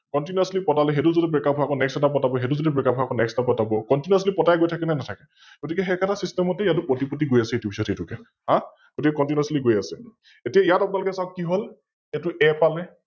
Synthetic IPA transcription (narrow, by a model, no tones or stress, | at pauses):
kɔntinaslipɔtalɛɦetuzodɛpɹɛkap̚ʰɦɔakɔnɛksɛtapɔtabɔɦetuzodɛpɹɛkap̚ʰɔakɔnɛksɛtapɔtabɔkɔntinaslipɔtajɡojtʰakɛnanatʰakɛ | ɡ̥otikɛɦɛkʰatasistɛmɔtɛijatʊpɹotipɔtiɡojasɛitubʱisɔtxetukɛ | hã | ɡ̥otikɛkɔntinasliɡojasɛ | etijaijatapʊnalokɛsawkkiɦol | etʊʔɛpalɛ